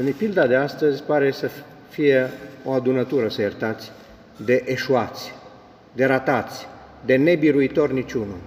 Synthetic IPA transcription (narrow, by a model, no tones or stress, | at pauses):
ɨnpild̪ad̪east̪əzʲpaɾe̞sə | fije̞oad̪unət̪uɾəsəjert̪at̪sʲ | d̪e̞ʔeʃuat̪sʲ | d̪e̞ɾat̪at̪sʲ | d̪e̞ne̞biɾuit̪o̞rnit͡ʃunu